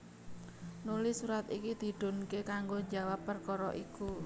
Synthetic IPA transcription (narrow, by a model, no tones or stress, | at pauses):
nulisuɾat̪ikid̪̥i̤ɖ̪̥o̤nkekaŋɡod͡ʒawapːərkɔɾɔ̰ʔiku